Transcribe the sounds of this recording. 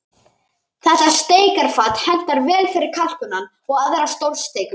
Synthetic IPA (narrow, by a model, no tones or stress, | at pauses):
θɛsast̪eːjkaɾ̥faːt̪hɛn̥t̪aɾvɛːlfɪɾɪɾ̥kʰal̥kʏnanː | ɔɣaðeɾast̪owlst̪eːjkʏ